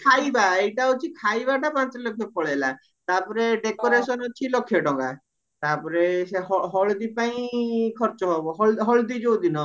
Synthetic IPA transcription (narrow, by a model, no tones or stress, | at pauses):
kʰajbaejʈaɦut͡ʃʰikʰajbaʈapãt͡ʃɾelɔkʰjɔpɔɭela | t̪apɔɾeɖekoɾesɔnɔt͡ʃʰilɔkʰːjɔɖɔŋɡa | t̪apɔɾeseɦɔɦɔɭd̪ipaĩkʰɔɾt͡ʃɔɦɔbɔɦɔɭɦɔɭd̪id͡ʒowd̪inɔ